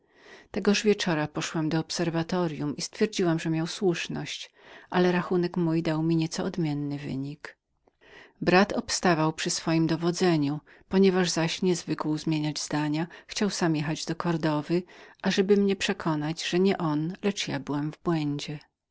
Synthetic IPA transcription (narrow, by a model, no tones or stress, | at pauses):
t̪ɛɡɔʐvʲjɛt͡ʂɔɾapɔʂwamd̪ɔːpsɛɾvat̪ɔɾʲjumist̪fʲjɛɾd͡ʑiwamʐɛmʲjawswuʂnɔ̰ɕt͡ɕ | ʔalɛɾaxunɛkmujd̪awmʲiɲɛt̪sɔɔd̪mʲjɛnːɘvɘ̰ɲik | bɾat̪ɔpst̪avawpʂɘsfɔjimd̪ɔvɔd̪zɛɲu | pɔɲɛvaʐzaɕɲɛzvɘkwuzmʲjeɲad͡ʑzd̪aɲaxt͡ɕawsamjɛxad͡ʑd̪ɔkɔɾd̪ɔvɘʔaʐɛbɘmɲɛpʂɛkʰɔnad͡ʑʐ̥ɛɲɛʔɔnlɛt͡ʂjabɘwamvbwɛɲd͡ʑɛ